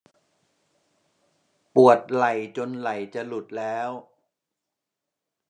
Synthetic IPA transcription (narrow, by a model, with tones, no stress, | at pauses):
pu˨˩ət̪̚la˨˩jt͡ɕo˧nla˨˩jt͡ɕa˨˩lu˨˩t̪̚lɛː˦˥w